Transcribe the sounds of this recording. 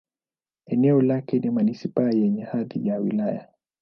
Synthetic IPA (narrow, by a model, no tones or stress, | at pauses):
ɛnɛɔlakɛnimanisipajɛɲɛhaðijawḭlaja̰